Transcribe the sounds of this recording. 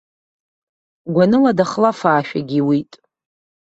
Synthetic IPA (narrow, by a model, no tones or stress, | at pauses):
ɡʷanɨladaχlafaːʃᶣa̰ɡʲiwitʼ